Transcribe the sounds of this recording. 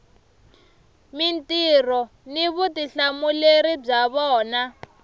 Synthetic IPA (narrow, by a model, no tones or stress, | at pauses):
mintirɔ | niβutiɬamuleɾib͡ʐaβɔːna